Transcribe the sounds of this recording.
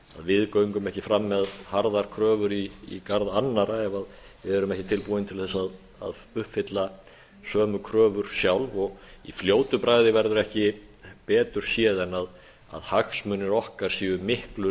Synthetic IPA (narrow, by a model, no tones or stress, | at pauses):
a̰ðvɪðkœɥŋkʏmɛhcɪfɾamːɛðhaɾðaɾ̥kʰɾœːvʏɾiːkaɾðanːaɾaɛvað | vɪɛɾʏmɛhcɪt̪ʰɪlpuːɪnt̪ʰɪlθɛsːað | a̰ðʏhpfɪt̪la | sœːmʏkʰɾœːvʏɾ̥sjawlvɔɣifljoːwt̪ʏpɾaːjðɪvɛɾðʏɾɛhcɪpɛːt̪ʏɾ̥sjɛːðɛnað | a̰ðhaxsmʏnɛɾɔhkaɾ̥siːʏmɪhklʏɾ